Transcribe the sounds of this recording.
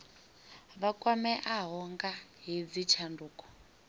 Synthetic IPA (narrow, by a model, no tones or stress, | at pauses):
βakʼwamɛʔaɦɔŋɡaɦid͡zit͡ʃʰanduːkʼɔ̥